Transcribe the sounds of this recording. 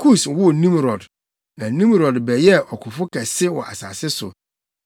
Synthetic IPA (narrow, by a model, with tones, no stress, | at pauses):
kʰu˦˨swʊ˦˨nĩ˦mɾɔ˨d | nã˨nĩ˦mɾɔ˨dbɛ˨jɛ˦ʔɔ˨kʰʊ˨fʊ˦kʰɛ˨sɪ˦wɔ̰̃˨a̰˨sa̰ː˨sɪ˦sʊ̰˨